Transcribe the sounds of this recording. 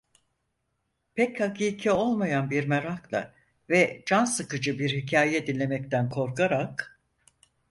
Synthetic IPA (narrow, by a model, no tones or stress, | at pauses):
pʰɛchakʰiːcʰɛo̞lˠmajanbiɾmeɾaklˠa̰ | vɛd͡ʒansɯkɯd͡ʒɯbiɾhicʰaːjɛd̪inʲːe̞mɛct̪ʰænkʰo̞ɾkaɾak